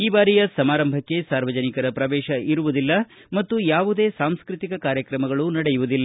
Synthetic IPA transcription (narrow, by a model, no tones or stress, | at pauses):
iːbaːɾijɐsɐmaːɾɐmbʱɐkːe̞saːɾʋɐd͡ʒɐnikɐɾɐpɾɐʋɛːʃɐiɾuʋud̪ilːɐmɐt̪ːujaːʋud̪e̞ːsaːmskɾɨt̪ikɐkaːɾjɐkɾɐmɐɡɐɭunɐɽɛjuʋud̪ilːɐ